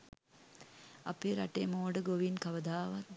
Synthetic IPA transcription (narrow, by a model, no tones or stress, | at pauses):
apeːɾaʈeːmoːɖəɡoʋinkaʋəd̪aːʋat